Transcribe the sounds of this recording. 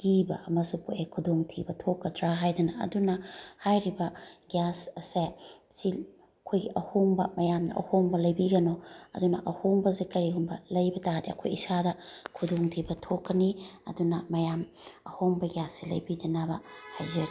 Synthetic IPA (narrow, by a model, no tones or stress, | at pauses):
ɡ̥ibɐʔɐmɐsupoʔekʰudoŋtʰibɐtʰokːɐtʰɾaɦajdɐnɐɐ̰dunɐhajɾibɐɡjasɐːesi | kʰojɡiʔɐhoŋbɐ̰mɐjamnɐ̰ʔɐ̰hoŋbɐlɐjbiɡɐnoɐ̰dunɐ̰ʔɐhoŋbɐzekɐɾihumbɐlɐjbɐtadiɐ̰kʰo̰jisadɐkʰudoŋtʰibɐtʰokːɐniɐ̰dunɐmɐjamɐhoŋbɐɡjasːilɐ̰jbidɐnabɐhajzɐ